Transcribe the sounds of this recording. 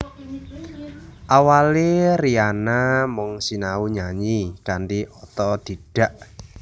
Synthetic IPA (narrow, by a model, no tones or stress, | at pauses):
ʔawalerianamɔŋsinauɲaɲikaɳɖiʔɔt̪ɔd̪̥i̤d̥a̤ʔ